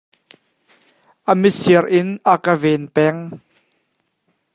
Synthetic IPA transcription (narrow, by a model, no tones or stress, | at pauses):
ʔəmisiərʔɪnʔəkəvɛnpɛŋ